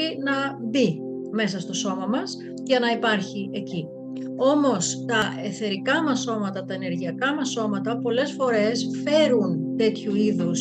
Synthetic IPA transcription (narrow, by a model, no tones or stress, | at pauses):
inɐbi | me̞s̬ɐst̪o̞so̞mɐmɐs | ʝɐnɐipɐɾçie̞ci | o̞mo̞st̪ɐʔe̞θe̞ɾikɐmɐso̞mɐt̪ɐt̪ɐene̞ɾʝiɐkɐmɐso̞mɐt̪ɐpo̞le̞sfo̞ɾe̞sfe̞ɾunt̪e̞t̪çuiðus